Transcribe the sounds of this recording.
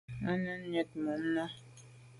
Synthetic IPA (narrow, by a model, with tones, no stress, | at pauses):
a˦nə˦n˦ɲə˨t̚mə˨n̩˦na˦